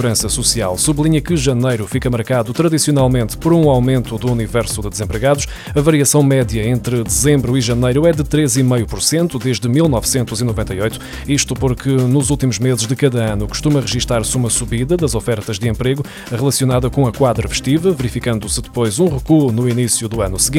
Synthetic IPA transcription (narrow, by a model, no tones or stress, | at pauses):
uɾɐ̃sɐsusia̰lˠsuβlˠiɲɐkɨʒɐnɐjɾufikɐmɐɾkaðut̪ɾɐðisiunalˠmẽnt̪pɔɾũawmẽnt̪ud̪uːnivɛɾsud̪ɨd̪ɨzẽmpɾɨɣaðuʃ | ɐvɐɾiɐsɐ̃w̃mɛðjɐẽnt̪ɾɨd̪ɨzẽmbɾuiʒɐnɐjɾuɛd̪ɨt̪ɾezimɐjupuɾsẽnt̪ud̪eʒd̪ɨmilˠnɔvsẽnt̪uzinuvẽnt̪ɐiojt̪u̥ | iʃt̪upoɾkɨnuzulˠt̪imuʒmezɨʒðɨkɐðɐɐnuku̥ʃt̪umɐʁɨʒiʃt̪aɾsumɐsuβiðɐðɐzɔfɛɾt̪ɐʒd̪ɨẽmpɾeɣu | ʁɨlˠɐsiun̪aðɐkõɐkwaðɾɐfɨ̥ʃt̪ivɐvɨɾifikɐ̃nd̪usɨd̪ɨpojzũʁɨkunuinisjuðuɐnusɨɣĩ